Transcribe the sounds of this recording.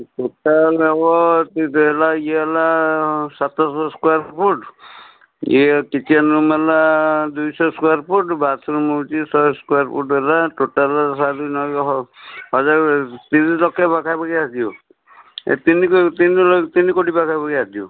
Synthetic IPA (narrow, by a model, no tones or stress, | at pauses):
ʈoʈalɔbɔt̪ɦelailasat̪ɔsɔskuaɾpʰuʈ | kit͡ʃianumelad̪ujsɔskuaɾpʰuʈbasɔɾumɔt͡ʃisɔskuaɾpʰuʈbelaʈoʈalsad̪ujnɔ | ɦɔzaɾt̪inlɔkepakʰajpakiasd̪io | ḛt̪inikt̪inlɔt̪inikoʈipakʰajpakiasd̪io